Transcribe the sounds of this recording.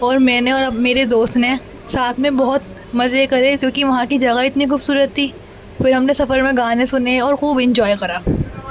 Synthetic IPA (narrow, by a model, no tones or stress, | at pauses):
ɔːɾmɛ̃ːneɔːɾɐbmeːɾed̪oːst̪nẽ | saːt̪ʰmẽbɔɦʊt̪̚ | mɐzekɐɾekjõːkiʋɐɦãkid͡ʒɐɣaɪt̪nixʊbsuːɾət̪ːiː | fɪɾɦɐmnesɐfəɾmẽɡaːnẽsʊneɔːɾxuːbɪ̃ɲd͡ʒɔːikɐɾaː